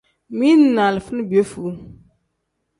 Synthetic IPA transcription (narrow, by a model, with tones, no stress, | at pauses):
mi˦n˦˨na˨lfɨ˦n˦bo˦fu˨˦